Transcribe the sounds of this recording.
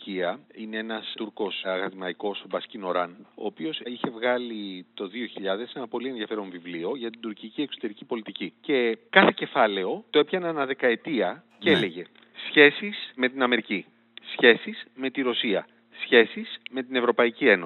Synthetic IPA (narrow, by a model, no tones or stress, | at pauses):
ciɐinee̞nɐst̪uɾko̞sɐɣɐðimɐiko̞sbɐscino̞ɾɐno̞̰ːpio̞siçe̞vɣɐlit̪o̞ðio̞çiʎɐðe̞se̞nɐpo̞lienðiɐfe̞ɾo̞ɱvivlio̞ʝɐt̪id̪uɾcicie̞ksot̪e̞ɾicipo̞lit̪icice̞kɐθe̞ce̞fɐle̞o̞t̪oe̞pçɐnɐnɐðe̞kɐe̞t̪iɐ | cele̞ʝe̞ | sçe̞sisme̞t̪inɐme̞ɾici | sçe̞sisme̞t̪iɾo̞siɐ | sçe̞sizme̞t̪ine̞vɾo̞pɐicie̞no